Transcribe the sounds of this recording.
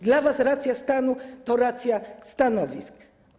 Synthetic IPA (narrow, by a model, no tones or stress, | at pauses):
d̪lavasɾat̪sʲjast̪anut̪ɔɾat̪sʲjast̪anɔvʲisk